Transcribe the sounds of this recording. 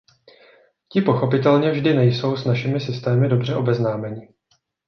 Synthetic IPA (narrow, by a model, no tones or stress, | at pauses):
cɪpo̞xo̞pɪt̪ɛlɲɛvʒdɪnɛjso̞wsnaʃɪmɪsɪst̪ɛːmɪdo̞br̝ɛʔo̞bɛznaːmɛɲɪ